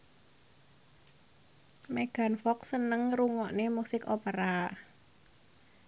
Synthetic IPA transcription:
meɡ̥a̤nfɔk̚sənəŋruŋɔʔnemusɪkopəɾa

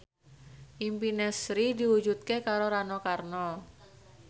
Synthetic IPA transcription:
ʔimpinɛsɾidiwud͡ʒut̪̚kekaɾoɾanokarnɔ

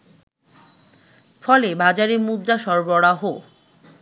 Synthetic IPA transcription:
fɔlebad͡ʑaɾeɾmud̪ɾaʃɔɾbɔɽaɦo

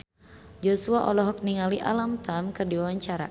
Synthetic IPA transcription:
d͡ʒɔsuaʔɔlɔɦɔk̚niŋaliʔalamt̪amkɨrdiwawaɲt͡ʃaɾa̰

